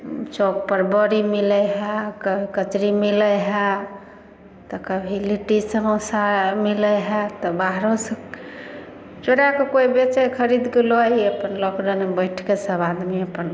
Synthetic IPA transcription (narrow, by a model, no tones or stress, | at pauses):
t͡ʃok̚pəɾbɔɾimilɛɦekəbʱikət͡ʃɾimilɛɦɛ | t̪ɔkəbʱiliʈisəɦõsamilɛɦɛt̪ɔbaɦɾosə̃ | t͡ʃoɽakekoibet͡ʃekʰəɾid̪keloiəpənlɔkɖənebəɪʈʰkesəbad̪miəpən